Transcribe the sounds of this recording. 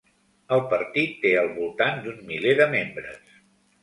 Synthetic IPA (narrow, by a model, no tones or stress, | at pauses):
əlˠpəɾt̪it̪ːeəlˠβulˠt̪and̪unmileðəmembɾə̰s